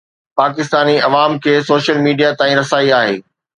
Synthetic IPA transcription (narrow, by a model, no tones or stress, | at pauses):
paːk̬ɪst̪aːniɐʋaːmkʰeːsoːʃəlmiːɖijat̪ãːĩɾɐsaːiaːɦḛː